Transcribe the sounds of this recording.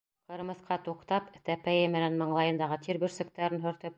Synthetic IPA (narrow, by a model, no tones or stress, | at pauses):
qɤ̆ɾmɤ̆θqɑt̪uqt̪ɑpt̪æpæjɘmɘ̆nænmɤ̆ɴlˠɑjɤ̆nd̪ɑʁɤt̪ʰiɾbɵ̆ɾsɘ̆k̚t̪æɾɘnɦɵ̆ɾt̪ɘp̚